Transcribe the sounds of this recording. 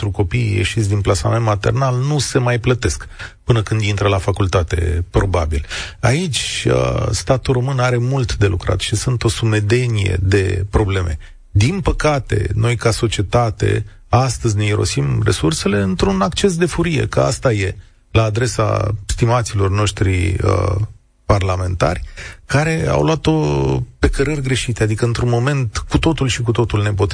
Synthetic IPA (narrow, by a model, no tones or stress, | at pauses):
ɾuko̞pijjḛʃit̪sʲd̪inplasament̪mat̪e̞̰rnalnuse̞majplət̪e̞skpɨnəkɨnd̪int̪ɾəlafakult̪at̪e̞̰pɾo̞babḭlait͡ʃʲə̰st̪at̪ulro̞mɨnaɾe̞mult̪d̪e̞lukɾa̰t̪ʃisɨnt̪o̞sume̞d̪e̞nijḛd̪e̞pɾo̞ble̞mʔe̞̰ | d̪inpəkat̪e̞̰no̞jkaso̞t͡ʃie̞t̪at̪e̞̰ | ast̪əzʲne̞iɾo̞̰simre̞̰surse̞le̞ɨnt̪ɾunakt͡ʃe̞s̬d̪e̞fuɾije̞̰kəa̰st̪aje̞ | laːd̪ɾe̞sa̰st̪imat̪silo̞rno̞ʃt̪ɾḭə̰ | parlame̞nt̪a̰rʲkaɾe̞a̰wlwat̪o̞pe̞kəɾərʲɡɾe̞ʃit̪e̞ad̪ikəɨnt̪ɾunmo̞me̞nt̪kut̪o̞t̪ulʃikut̪o̞t̪ulne̞pot̪